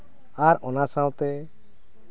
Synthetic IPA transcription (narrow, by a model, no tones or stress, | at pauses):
aɾɔnasãwt̪ɛ